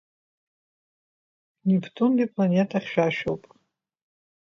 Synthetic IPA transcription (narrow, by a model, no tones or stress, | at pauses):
nipʰtʰʼundipʼlanʲetʰaχʲʃᶣaʃᶣo̰wpʼ